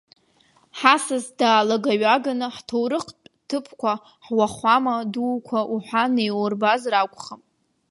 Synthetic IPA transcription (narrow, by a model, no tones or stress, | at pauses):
ħasɨzdaːlaɡaɥaɡanɨħtʰowɾɨqʰpʼtʰɨpʰkʷʰa | ħwaχʷamaduːkʷʰaʔuħʷanejworbazrakʷʼχam